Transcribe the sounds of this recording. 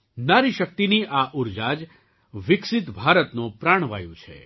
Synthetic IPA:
naɾiʃək̚t̪iniʔaʔuɾd͡ʒad͡ʒ | ʋɪksɪt̪bʱaɾət̪nõpɾaɳ̃ʋa̰jṵ̃t͡ʃʰḛ

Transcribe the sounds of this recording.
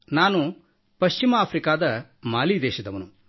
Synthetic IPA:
naːnu | pɐʃt͡ʃimɐaːpʰɾikaːd̪ɐmaːliːd̪ɛːʃɐd̪ɐʋɐnu

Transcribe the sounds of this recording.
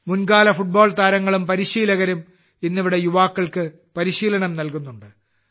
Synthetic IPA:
munɡaːlɐfuʈ̚bo̞ːɭt̪aːɾɐŋːɐɭumpɐɾiɕiːlɐɣɐɾum | inːiʋiɽe̞juʋaːkːɐɭkɨ | pɐɾiɕiːlɐɳɐmnɐlkunːuɳɖɨ

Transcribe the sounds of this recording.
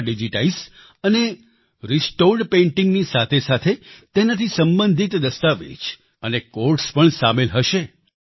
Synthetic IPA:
ɖid͡ʒiʈais | əne | ɾisʈoɾɖpẽɳʈiŋɡnisat̪ʰesat̪ʰet̪enat̪ʰisəmbənd̪ʱit̪d̪əst̪aʋḛt͡ʃ | ənekoɾʈspəɳsamelɦəʃe

